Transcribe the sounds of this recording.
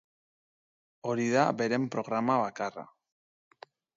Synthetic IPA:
o̞ɾiðabe̞ɾe̞mpɾo̞ɣɾamaβakara̰

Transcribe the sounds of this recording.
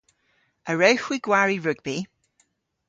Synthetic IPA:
əɹəwxwiɡ̥waɹiɹʊɡbi

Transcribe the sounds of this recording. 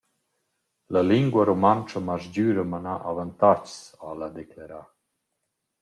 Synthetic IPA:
ləliŋɡwəɾomant͡ʃəmazd͡ʑyːɾəmanaʔavant̪at͡ʃsalad̪eklaɾa

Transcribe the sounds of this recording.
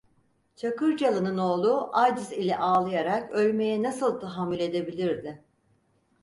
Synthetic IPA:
t͡ʃʰakɯɾd͡ʒalˠɯnɯno̞ːlˠuʔad͡ʒɯzilʲɛʔaːlˠɯjaɾakølʲme̞jɛnasɯlˠt̪ʰaɦamːylʲe̞d̪e̞bilʲiɾd̪ɪ

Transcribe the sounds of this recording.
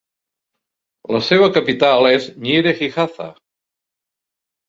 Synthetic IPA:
ləseβ̞əkəpit̪alˠezɲiɾexixaθa̰

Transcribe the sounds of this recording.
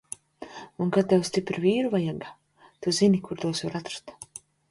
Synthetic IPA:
unkat̪ːɛwst̪ʲipɾviːɾuvajaɡa | t̪uzinikuɾt̪uɔsvaɾat̪ɾḁt̪

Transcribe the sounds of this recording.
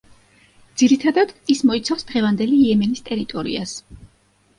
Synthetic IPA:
d̪z̥iɾit̪ʰad̪ad̪ismɔit̪sʰafsd̪̥ʁɛvand̪ɛliːɛmɛnist̪ʼɛɾit̪ʼɔɾḭas

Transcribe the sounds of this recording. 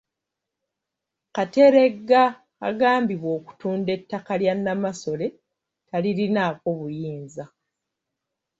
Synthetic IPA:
kate̞ɾe̞ɡːaː | ɡaːmbiβwo̞ːku̥tuːnde̞tːakaljanːamaso̞le̞ | taliɾinaːko̞βujiːnza

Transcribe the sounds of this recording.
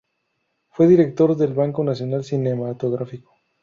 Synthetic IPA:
fwe̞ðiɾe̞k̚t̪o̞ɾðe̞lβaŋko̞nasjo̞nalsinemat̪o̞ɣɾafiko̥

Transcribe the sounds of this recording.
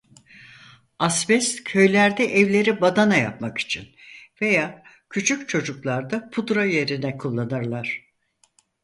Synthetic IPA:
asbɛscʰø̞jlʲæɾd̪ɛʔɛvlʲe̞ɾibad̪anaja̰p̚maki̥t͡ʃʰinve̞jaː | cʰyt͡ʃʰyc̚ʲt͡ʃʰo̞d͡ʒuklˠaɾd̪apʰud̪ɾaje̞ɾinɛkʰulˠːanɯɾlˠaɾ̝̥

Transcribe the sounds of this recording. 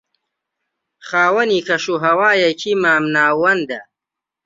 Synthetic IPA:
χaːwɐnikʰɐʃuɦɐwaːjɐkʰimaːmnaːwɐnd̪ɐ

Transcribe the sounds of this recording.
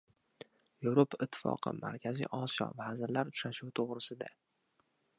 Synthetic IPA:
jevɾopʰaɪt̪ʰːɪ̥fɒ̰qʰɨ̰ma̰ɾkʲʰazḭjʔɒsijɒ̰vazɪɾlaɾʊt͡ʃɾaʃuwt̪ʰoʁɾɪsɪd̪a̰

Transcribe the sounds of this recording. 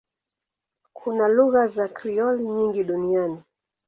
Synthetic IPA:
kʰunaluɣazakɾiɔliɲiŋɡiɗuniani

